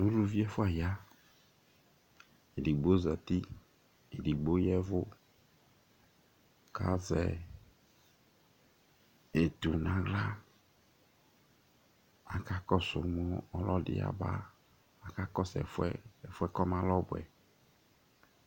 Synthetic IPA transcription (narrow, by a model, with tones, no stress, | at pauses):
nũ˦ɖu˦vi˦ɛ˦fʊ˦a˨ja˦ | e˨di˨ɡ͡bo˦zɛ˨t̪i˦ | e˨di˨ɡ͡bo˦jɛ˦vʊ˦ | ka̰˦zɛ˨ | e˨t̪u˨nã˨ɡla˦ | a˨ka˦kɔ˦sʊ˨mɔ˦ɔ˦lɔ˦dɪ̰˦a̰˨ba̰˦ | a˨ka˦kɔ˦sɛ̰˨fɛ˦ɛ˨fʊ˦ɛ˦kɔ˦mã˦lɔ˦bʊ˨ɛ̰˨